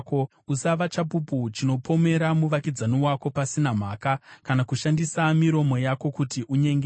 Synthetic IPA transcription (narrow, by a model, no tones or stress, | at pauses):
ko | usaʋat͡ʃap̬uput͡ʃino̞pʰo̞me̞ɾamuʋakid͡zaniwako̞pasinam̤aːkakanakuʃandisamiɾo̞mo̞jako̞kutiʔuɲeŋɡe